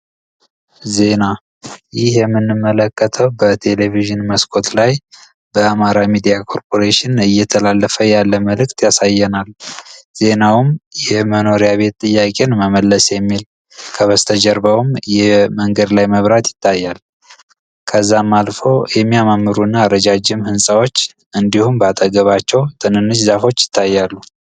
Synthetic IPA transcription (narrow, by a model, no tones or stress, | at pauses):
ze̞na | jɪhjɛmːɨnːɨmːələkʼːət̪ʰəwbət̪ʰe̞le̞viʒɨnməskʰʼo̞t̪laj | bəamaɾamid̪ijakʰo̞ɾpʰo̞ɾeʃɪnɨjːɛt̪ʰəlalːəfəjalːəməlɨkʼt̪jasajːɛnalz̥e̞nawmjɛməno̞ɾijaβe̞t̪ːʼɨjːakʼe̞nməməlːəsjɛmːil | kʰəβəst̪ʰəd͡ʒɛɾbəwmjɛməŋɡəd̪lajməβɾat̪jɪ̥t̪ʰːajːal | kʰəzːamːalfo̞jɛmːijamamːɨɾunːaːɾəd͡ʒad͡ʒːɪmhɨnsʼawo̞t͡ʃː | ʔɨnd̪ihumbəat̪ʼəɡəβat͡ʃːɛwt̪ʼɨnɨnːɨd͡ʒzafo̞t͡ʃːjɪ̥t̪ʰːajːalːu